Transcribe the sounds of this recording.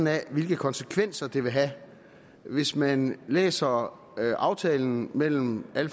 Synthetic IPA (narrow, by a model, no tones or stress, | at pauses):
n̩æʋe̝lɡ̥əkʰɒ̽nsəkʰʋen̰sɐd̥e̝ʋe̝ɦæ | ʋe̝smænlḛːsɐ | ʔɑ̈ʊt͡sʰɛːln̩mel̰m̩æl